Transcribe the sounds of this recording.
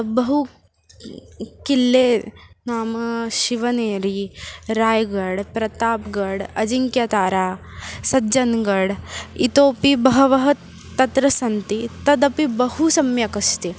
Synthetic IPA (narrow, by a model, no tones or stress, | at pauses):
bɐɦu | kilːeːnaːmɐʃiʋɐneːɾiɾaːjɡɐɽpɾɐt̪aːpɡɐɽɐd͡ʒiŋkjɐt̪aːɾaː | sɐd͡ʒɐnɡɐɽit̪oːpibɐɦɐʋɐɦɐ | t̪ːɐt̪ɾɐsɐnt̪it̪ɐd̪ɐpibɐhusɐmjɐkɐst̪i